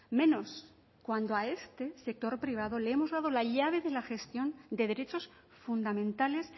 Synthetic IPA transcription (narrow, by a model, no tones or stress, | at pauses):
mẽ̞no̞s | kwand̪oae̞st̪e̞se̞k̚t̪o̞ɾpɾiβ̞aðo̞leemo̞zðað̞o̞laʎaβ̞e̞ðe̞laxe̞st̪jo̞nd̪eð̞eɾet͡ʃo̞s | fund̪amẽnt̪ales